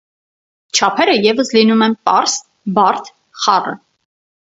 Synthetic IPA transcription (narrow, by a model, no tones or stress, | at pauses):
t͡ʃʰɑpʰɛɾəjɛvəslinumɛnpɑɾs | bɑɾt̪ʰ | χɑrə̰